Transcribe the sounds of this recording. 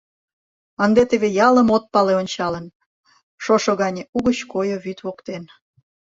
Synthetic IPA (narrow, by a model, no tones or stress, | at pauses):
ənd̪et̪eβejɑləmot̪̚pɑleonʲt͡ɕɑlən | ʃoʃoɣɑnʲeuɣət͡ɕkojoβyt̪βokt̪en